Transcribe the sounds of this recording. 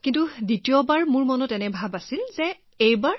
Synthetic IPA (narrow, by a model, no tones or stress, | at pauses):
kintuditijɔbaɹmuɹmɔnɔtɛnɛbʱabasilzɛ | ejbaɹ